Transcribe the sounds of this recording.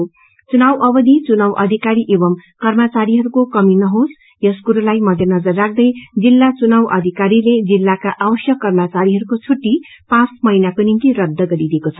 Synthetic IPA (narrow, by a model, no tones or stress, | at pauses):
t͡sunawʔʌbʌd̪ʱit͡sunawʔʌd̪ʱikaɾiʔebʌmkʌrmʌt͡saɾiɦʌɾukokʌminʌɦos | jʌskuɾulajmʌd̪ʱenʌd͡zʌrːak̚ʰd̪ʌjd͡zilːat͡sunawʔʌd̪ʱikaɾiled͡zilːakaʔawʌsjʌkːʌrmat͡saɾiɦʌɾukot͡sʰuʈːi | pãt͡smʌinakonint̪iɾʌd̪ʱːʌɡʌɾid̪ekot͡sʰʌ̥